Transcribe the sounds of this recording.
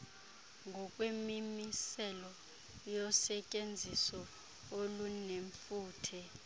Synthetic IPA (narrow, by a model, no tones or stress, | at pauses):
ŋɡʱɔkʼwemimisɛlɔ | jɔsɛcʼend͡zʱisɔ | oluneɱfuːtʰɛ